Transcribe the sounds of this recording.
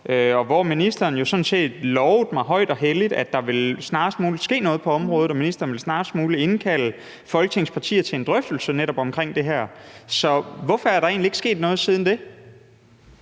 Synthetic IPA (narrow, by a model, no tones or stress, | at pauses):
ʔøɒ̽ʋɒminisd̥ɐːn̩jo̝sɒ̽nse̝̰ːd̥lɒʊð̩ˠmɑ̈ɪɦɒ̽ɪ̰d̥ɒ̽ɦelid̥æd̥ɑ̈ʋe̝lsnɑ̈ːsmuːlid̥sɡ̥e̝̰ːnɔ̽ːð̞̩ˠpʰɒ̽ɒ̽mʁɔ̽ːð̩ˠɒ̽minisd̥ɐːnʋe̝lsnɑ̈ːsmuːlie̝nkʰæl̰ə | fɒ̽lɡ̥ə̥t͡sʰe̝ŋspʰɑ̈t͡sʰḭːɐt͡sʰe̝end̥ʁœfd̥l̩səneɾɒ̽b̥ɒ̽mkʰʁeŋ̰d̥e̝ɦæɐ̰sɒ̽ʋɒfɒæɐɾɑ̈e̝̰ːnlie̝ɡ̥sɡ̥e̝̰ːd̥nɔ̽ːðˠsiːð̞ˠn̩d̥e̝